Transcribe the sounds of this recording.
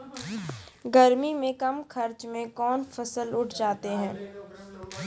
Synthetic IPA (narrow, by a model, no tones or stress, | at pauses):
ɡɐɾmimẽkɐmkʰɐɾt͡ʃmẽkɔːnfɐsəlʊʈʰd͡ʒaːt̪eɦɛ̃ː